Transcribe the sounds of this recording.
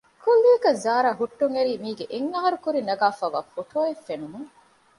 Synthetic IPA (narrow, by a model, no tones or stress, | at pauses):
kʰulːikɐzaːɾaːɦuʈːuŋeɾiːmiːɡeʔeŋːaɦɐɾukuɾinɐɡaːfaːʋa̰ːfoʈʰoːefːenumuŋ